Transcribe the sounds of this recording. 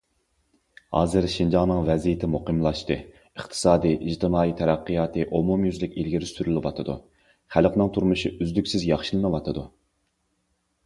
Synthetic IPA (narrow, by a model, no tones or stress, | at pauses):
hɑ̰ːzɨɾʃind͡ʒɑŋnɨŋvɛzijɪt̪ʰɪmuqɨmlˠɑʃt̪ɨ | əχt̪ʰɨ̥sɑːd̪iʔiʒt̪ʰɨmɑːit̪ʰɛɾæqːɨjɑːt̪ʰɨʔomumjyzlɪkʲilɡʲiɾɪsyɾylɪwɑ̰t̪ʰɨd̪ṵ | χælqnɨŋt̪ʰuɾmuʃiyzlykʲsɪzjɑχʃɨlˠɨnɨwɑt̪ʰɨd̪u